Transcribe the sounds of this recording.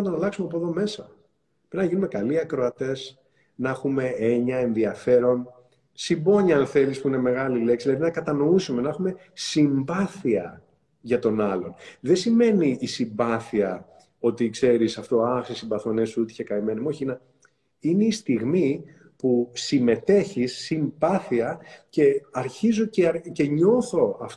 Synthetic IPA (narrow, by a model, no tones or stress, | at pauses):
nɐt̪onɐlɐksumepoðo̞me̞sɐ | pɾiznɐʝinume̞kɐliɐkɾo̞ɐt̪e̞s | nɐexume̞e̞ɲɐe̞nðiɐfe̞ɾo̞n | simbo̞ɲɐɐnθe̞lispuine̞me̞ɣɐlile̞ksiðlɐðinɐkɐt̪ɐno̞isume̞nɐexume̞ | simbɐθiɐ | ʝɐt̪o̞nɐlo̞nðesime̞niːsimbɐθiɐ | o̞t̪ikse̞ɾisɐft̪o̞ɐxsesimbɐθonesuut̪içekɐimenemo̞çinɐ | ine̞ist̪iɣmi | pusime̞t̪e̞çisːimbɐθiɐce̞ɐɾçizo̞cece̞ɲo̞θo̞ɐft